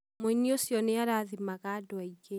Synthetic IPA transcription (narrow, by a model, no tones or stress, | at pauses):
moiniosjɔneaɾaðimaɣadoaiɡe